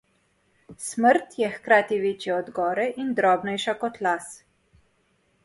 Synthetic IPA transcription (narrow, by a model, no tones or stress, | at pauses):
sməɾt̪jɛxkɾaːt̪iʋeːt͡ʃjɛɔd̪ɡɔːɾɛʔind̪ɾɔːbnɛjʃakɔt̪las